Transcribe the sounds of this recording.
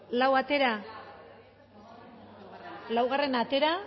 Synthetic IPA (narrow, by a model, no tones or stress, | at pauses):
lawat̪e̞ɾa | lawɣ̞are̞nat̪e̞ɾa